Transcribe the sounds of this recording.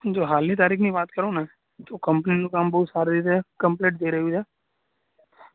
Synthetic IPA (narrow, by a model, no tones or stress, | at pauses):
d͡ʒoːɦaːlnit̪̬aːɾiːkʰnĩːbaːt̪kəɾoːnɛ̃ː | t̪oːkəmpəninũkambɐʊt̪saːɾd̪it̪ɛkəmpleːʈ̚d̪eːɾəud͡ʒ̪ɛː